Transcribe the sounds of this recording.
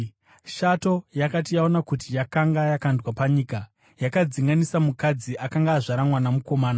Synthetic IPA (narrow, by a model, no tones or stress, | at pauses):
ʃato̞jakatijao̞nakutijakaŋɡajakandwapaɲiːka | jakad͡ziŋɡanisamukad͡ziʔakaŋɡaːʐaɾamwanamuko̞maːna